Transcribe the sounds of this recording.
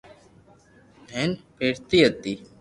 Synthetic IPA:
mɛːnpeːɽt̪iət̪iː

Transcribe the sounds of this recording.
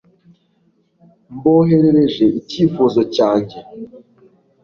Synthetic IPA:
mboɦeɾeɾeʒeiciːfozocaːɲɟe

